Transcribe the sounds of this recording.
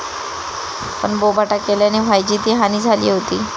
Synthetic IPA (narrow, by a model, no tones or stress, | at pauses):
pəɳbobʱaʈakeljaneʋajd͡ʑiːt̪iːɦaniːd͡zʱalḭːɦot̪iː